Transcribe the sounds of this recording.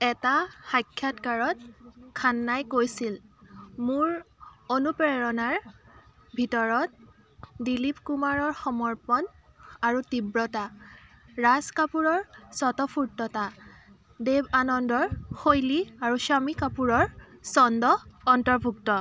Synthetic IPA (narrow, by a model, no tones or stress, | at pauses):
ɛtaxajkʰːjatkaɹɔt̚kʰanːajkojsilmuɹonupɛɹɔnaɹ | bʱitɔɹɔt̚ | dilipkumaɹɔɹxɔmɔɹpɔn | aɹutibɹɔta | ɹaskapuɹɔɹsɔtɔpʰuɹtːɔta | debanɔndɔɹxojliaɹusamikapuɹɔɹsɔndɔːntɔɹbʱuktɔ